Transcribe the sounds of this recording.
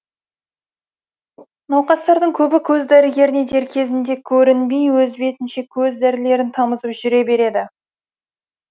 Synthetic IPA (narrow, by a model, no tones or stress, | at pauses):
nɑwqɑst̪ɑɾd̪əɴkʲʰɵbɪkʲʰɵzd̪æɾɪɡʲe̞ɾɪned̪e̞ɾkʲʰe̞zɪnd̪e̞kʲʰɵɾɪnbe̞jwɵzbe̞t̪ɪnʃe̞kʲʰɵzd̪æɾɪle̞ɾɪnt̪ʰɑməzəpʒʏɾe̞be̞ɾe̞d̪ɪ